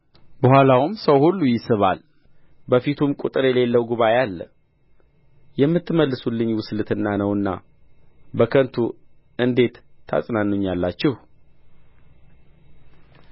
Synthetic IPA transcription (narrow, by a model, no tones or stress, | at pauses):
bəhʷalawʊmsəwhulːujɪsɨβa̰l | bəfit̪ʰumkʼut̪ʼɨɾjɛle̞lːəwɡuβajalːə | jɛmːɨt̪ːɨməlːɨsulːɨɲːwʊslɨt̪ɨnːanəwɨnːa̰ | bəkʰənt̪ʰu | ɨnd̪e̞t̪ʰːa̰sʼnanːuɲːalːat͡ʃːɪh